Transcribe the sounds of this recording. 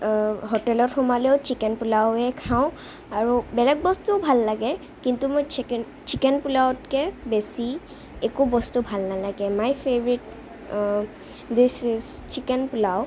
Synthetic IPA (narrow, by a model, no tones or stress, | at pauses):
ɦotɛlɔtxʊmalɛʊt͡ʃikɛnpulawɛkʰaʊ̃ | aɹubɛlɛk̚bɔstubʱalːaɡɛ | kintumojt͡ʃ | t͡ʃikɛnpulawt̚kɛbesi | ekubɔstubʱalnalaɡɛmajpʰebɹit | disizt͡ʃikɛnpulaw